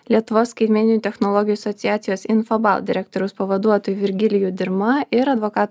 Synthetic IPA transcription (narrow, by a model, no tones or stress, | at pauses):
lʲiɛt̪ʊʋoːsːkɐɪt̪ʲmʲɛːnʲɪnuːt̪ʲɛxnɔlˠɔɡʲɪjuɐsɔt̪sʲɪjæːt̪sʲɪjoːsɪnfɐbɑ̰lˠd̪ʲɪɾʲɛk̚t̪ɔɾʲʊspɐʋɐd̪uɔt̪oːjuʋʲɪɾʲɡʲɪlʲɪjuːd̪ʲɪɾmɐʔɪɾɐd̪ʋɔkɑːt̪